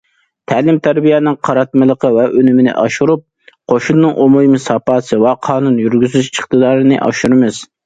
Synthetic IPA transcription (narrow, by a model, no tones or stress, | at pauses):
t̪ʰæːlɪmt̪ʰæɾbijɛnɨŋqʰɑɾɑt̪̚mɨlˠəqʰəvɛʔønymɪnɪ̰ʔɑʃuɾup̚ | qʰoʃunːɨŋʔomujmɨsɑpɑːsɨwɛqʰɑːnunjyɾɡʲyzyzt͡ʃəχt̪ɨd̪ɑːɾɨnɨʔɑ̰ʃuɾɨmɨz̥